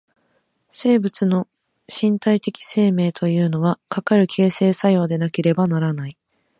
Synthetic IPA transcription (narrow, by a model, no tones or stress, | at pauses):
se̞ːbɯ̟t͡sɨno̞ | ɕĩnt̪ait̪e̞kʲi̥se̞ːme̞ːt̪ʰo̞jɯ̟ːno̞βakakaɾɯ̟kʰe̞ːse̞ːsajo̞ːd̪e̞nake̞ɾe̞banaɾanai